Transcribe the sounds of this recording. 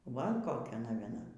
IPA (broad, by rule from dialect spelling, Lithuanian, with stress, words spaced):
ˈʋɐ ˈkoːkʲɛ nɐʋʲiɛˈnɐ